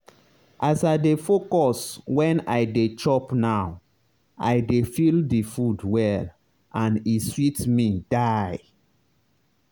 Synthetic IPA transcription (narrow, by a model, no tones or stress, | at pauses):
ʔasajdefokɔswɛ̃najdet͡ʃɔpnaw | ajdefildifudwɛl | ãniswitmid̥aj